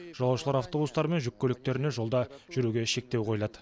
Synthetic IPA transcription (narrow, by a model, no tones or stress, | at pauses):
ʒ̥ɑlˠɑwʃəlˠɑɾaft̪o̞bust̪ɑɾme̞nʒʏkʲːølɪk̚t̪e̞ɾɪne̞ʒo̞lˠd̪ɑʒ̥ʏɾuɡʲe̞ʃe̞k̚t̪ewqʰo̞jlˠɑd̪ə